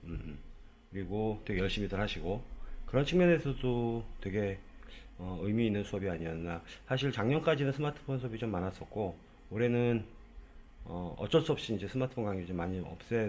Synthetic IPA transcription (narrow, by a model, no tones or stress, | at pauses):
ɯ | kɯɾiɡotwe̞ɡe̞jʌɭɕ͈imitɯɭɦaɕʰiɡokɯɾʌnt͡ɕʰiŋmjʌne̞sʰʌdotwe̞ɡe̞ | ʌɯjmiːnːɯnsʰuʌbiaɲiʌnnasʰaɕ̬ʰiɭt͡ɕaŋɲʌnk͈ad͡ʑinɯnsʰɯmatʰɯ̥pʰonsʰuʌbit͡ɕomːanas͈ʌt̚k͈o | oɾe̞nɯn | ʌʌ̰t͡ɕ͈ʌns͈uʌp̚ɕ͈iind͡ʑe̞sʰɯmatʰɯ̥pʰonŋɡaŋiid͡ʑomːaɲiʌ̰p̚s͈ʌ